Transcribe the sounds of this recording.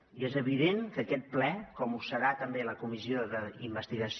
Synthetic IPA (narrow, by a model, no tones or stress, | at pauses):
iezəβ̞iðeŋkəkɛt̪̚plɛkɔmusəɾat̪əmbeləkumizioðəimbəst̪iɣəs